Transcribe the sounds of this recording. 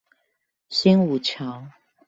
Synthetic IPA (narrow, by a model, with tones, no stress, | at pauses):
ɕi˥ŋu˨˩t͡ɕʰjɑ˨˧˦ʊ